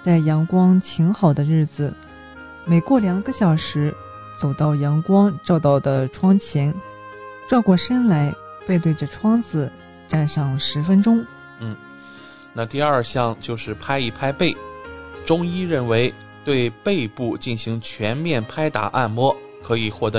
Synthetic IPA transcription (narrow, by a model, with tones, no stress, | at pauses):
t͡sa˥˩ɪjɑ˧˥ŋkwɑ˥ŋt͡ɕʰi˧˥ŋxɑ˨˩ʊd̪ə˦ɻɻ̩˥˩d͡zɹ̩˩ | me˨˩ɪkwɔ˥˩ljɑ˨˩ŋɡə˧˦ɕjɑ˨˩ʊʂɻ̩˧˥ | t͡so˨˩ʊt̪ɑ˥˩ʊjɑ˧˥ŋkwɑ˥ŋʈ͡ʂɑ˥˧ʊt̪ɑ˥˩ʊd̪ə˩ʈ͡ʂʰwɑ˥ŋt͡ɕʰjɛ˧˥n | ʈ͡ʂwa˥˧kwɔ˥˩ʂə˥nla˧˥ɪ | pe˥˧ɪt̪we˥˩ɪʈ͡ʂə˩ʈ͡ʂʰwɑ˥ŋd͡zɹ̩˨˩ | ʈ͡ʂa˥˧nʂɑ˥˩ŋʂɻ̩˧˥fə˥nʈ͡ʂʊ˥ŋ | n̩˥˩ | na˥˧t̪i˥˧ɐ˞˥˧ɕjɑ˥˧ŋt͡ɕjo˥˧ʊʂɻ̩˥˩pʰa˥ɪi˥˩pʰa˥ɪpe˥˩ɪʈ͡ʂʊ˥ŋi˥ɻə˥˩nwe˧˥ɪ | t̪we˥˧ɪpe˥˧ɪpu˥˧t͡ɕi˥˩nɕi˧˥ŋt͡ɕʰɥɛ˧˥nmjɛ˥˩npʰa˥ɪt̪a̰˨˩ʔa̰˥˩nmwɔ˥ | kʰɤ˧˥i˨˩xwɔ˥˩t̪ɤ˧